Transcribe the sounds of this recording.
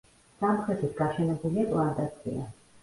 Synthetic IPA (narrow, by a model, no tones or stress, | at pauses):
samχɛt̪ʰit̪ɡaʃɛnɛbuliapʼlˠand̪ʼat̪sʰḭa